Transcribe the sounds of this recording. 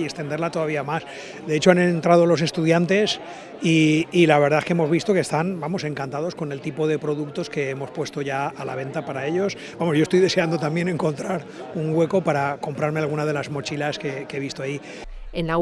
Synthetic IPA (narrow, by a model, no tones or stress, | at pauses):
ekst̪e̞nd̪e̞ɾlat̪o̞ðaβiamas | d̪e̞et͡ʃoanent̪ɾað̞olo̞s̬e̞st̪uðjant̪e̞s | iːlaβ̞e̞ɾðaekeemo̞zβ̞ist̪o̞kest̪anbamo̞se̞ŋkant̪að̞o̞sko̞ne̞lt̪ipoðe̞pɾo̞ðuk̚t̪o̞ske̞emo̞spwe̞st̪o̞ʝaala̰βe̞nt̪apaɾae̞ʎo̞s | bamo̞sjost̪ojðe̞seand̪ot̪amje̞ne̞ŋko̞nt̪ɾaɾ | uŋɡwe̞ko̞paɾako̞mpɾaɾme̞alɣunað̞e̞lazmo̞t͡ʃilaskekeβ̞ist̪oaji | ena